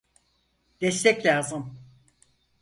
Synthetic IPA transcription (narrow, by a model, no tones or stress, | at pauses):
d̪̥ɛst̪ʰɛclʲaːzɯm